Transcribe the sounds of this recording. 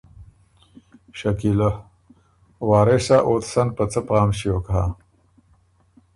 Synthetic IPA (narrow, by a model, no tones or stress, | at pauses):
ɕakila | waːɾesaʔot̪sɐnpət͡səpaːmɕioːkɦa